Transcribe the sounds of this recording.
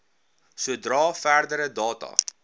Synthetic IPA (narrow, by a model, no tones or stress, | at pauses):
suədrɑːfæːrdəɾədɑːtɐ̰